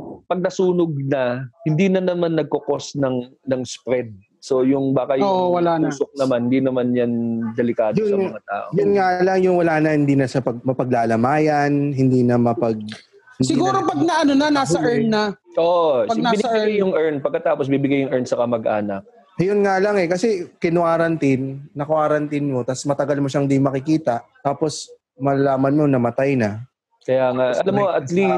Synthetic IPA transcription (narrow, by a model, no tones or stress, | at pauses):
pɐɡ̚nɐsuːnoɡ̚nɐhɪnd̪iːnɐnɐmanːɐɡ̚koko̞snɐŋnɐŋspɾɛd̪̚ | so̞jʊŋbaːkɐjoʔwɐlauːsok̚nɐmanhɪnd̪iːnɐmanjɐnd̪ɛlɪkaːd̪jʊsɐmɐŋɐt̪a̰ːʔojʊnŋalaŋjʊŋwɐlaːnɐhɪnd̪iːnɐsɐpɐɡ̚mɐpɐɡ̚laːlɐmaːjɐnɦɪnd̪iːnɐmɐpɐɡ̚ | hɪnsɪɡuːɾopɐɡ̚nɐʔɐnonɐnaːsɐʔɛɹnnɐʔopɐɡnaːbɪnɐajʊŋʔɛɹnpɐɡ̚kːɐt̪aːposbibɪɡajːʊŋʔɛɹnsɐkɐmɐɡʔa̰ːnɐk̚ | jʊnŋalɐŋɛkɐsɛkɪnwaːɾɐnt̪inːɐkwaːɾɐnt̪inmo̞t̪asmɐt̪ɐɡalmoʃaŋɪd̪imɐkɪkiːt̪ɐʔt̪aːpo̞s | mɐlɐlaːmɐnmo̞nɐmɐt̪ajnɐ | kɐjaŋaɐlamoɐt̪li